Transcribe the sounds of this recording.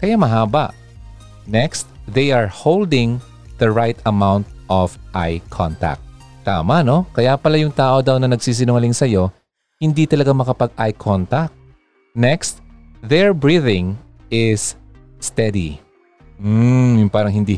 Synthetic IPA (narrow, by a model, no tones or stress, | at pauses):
kɐjamɐɦaːbɐ̰ʔ | nɛkst̪ðɛjʔɐɹhowld̪ɪŋ | ð̥ɐɹajt̪ɐmawnt̪̚ʔɔfʔa̰jkʰɔ̰nt̪a̰k̚t̪ | t̪a̰ːmɐno̞kɐjapɐlajʊŋt̪aːʔo̞d̪ɐwnɐnɐɡ̚siːs̬ɪnoŋɐlɪŋsɐjo̞ | hɪnd̪it̪ɐlɐɡamɐkɐpɐɡ̚ʔajkʰont̪ak̚t̪̚ | nɛkst̪̚ | ðɛɹbɹiðɪŋ | ɪsː | t̪ɛd̪ḭ | m̩jʊŋpaːɾɐŋɦɪnd̪i